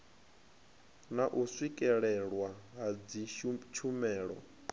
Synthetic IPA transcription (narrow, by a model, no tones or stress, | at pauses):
naʔuswikʼɛɺɛɺwaɦad͡zit͡ʃʰumɛːɺɔ̰